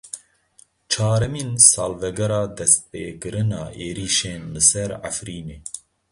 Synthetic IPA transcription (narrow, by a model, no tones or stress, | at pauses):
t͡ʃʰɑːɾɛmiːnsɑːlvɛɡɛɾɑːd̪ɛst̪̚peːkɨɾɨnɑːʔeːɾiːʃeːnlɨsɛɾʕa̰fɾiːneː